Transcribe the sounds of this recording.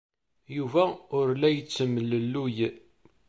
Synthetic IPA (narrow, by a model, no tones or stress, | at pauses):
juvæʊɾlæjət͡sːəmːələlːuj